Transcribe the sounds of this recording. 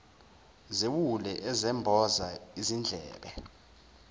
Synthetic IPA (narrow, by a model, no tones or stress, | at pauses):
zewulɛʔɛzɛmbʱɔzaizind͡ɮʱɛ̰ːɓɛ